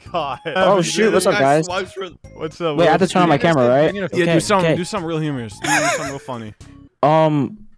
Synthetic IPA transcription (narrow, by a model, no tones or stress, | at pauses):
oʊʃʉt̚wʌtsʌp̚ɡaɪz̥wʌsweɪɨt̪̚ðɨtʰɜ̃˞nʌvmaɪkʰæmə˞əɹaɪt̚oʊkeɨsʌ̃kkeɪdɨsʌ̃mɹilˠhjʉmə˞z̥dɨdɨsʌ̃mɹil̩ˠfʌni | ʌ̃m